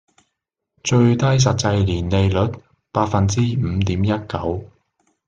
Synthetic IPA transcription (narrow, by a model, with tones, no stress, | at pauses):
t͡ʃɵ˧ɥt̪ɐ˥js̬ɐ˨t̚t͡sɐ˧jliː˨˩nle˨˧jlɵ˨˥t̚ | paː˧t̚fɐ˨nt͡siː˥m̩˨˧˦t̪iː˨˥mjɐ˥t̚kɐ˨˥w